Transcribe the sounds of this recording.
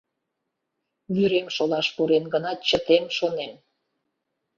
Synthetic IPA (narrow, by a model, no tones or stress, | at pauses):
βyɾemʃolɑʃpuɾenɡənɑt͡ɕət̪emʃonem